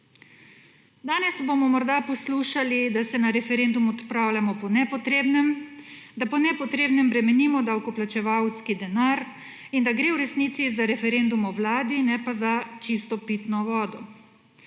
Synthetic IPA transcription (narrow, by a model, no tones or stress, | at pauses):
d̪aːnɛzbomɔmɔɾd̪apɔsluːʃalid̪asɛnaɾɛfɛɾend̪umɔt̪pɾaːwlʲamɔpɔnɛpɔt̪ɾebnɛmd̪apɔnɛpɔt̪ɾeːbnɛmbɾɛmɛniːmɔd̪awkɔplat͡ʃɛʋawskid̪ɛnaɾ | ind̪aɡɾeːwɾɛsniːt̪sizaɾɛfɛɾend̪umɔwlaːd̪inɛpazat͡ʃist̪ɔpit̪nɔʋɔːd̪ɔ